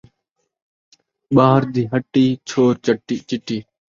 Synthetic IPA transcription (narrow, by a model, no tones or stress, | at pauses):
ɓaːɦəɾd̪iːɦəʈːiːt͡ʃʰoːɾt͡ʃəʈːiːt͡ʃɪʈiː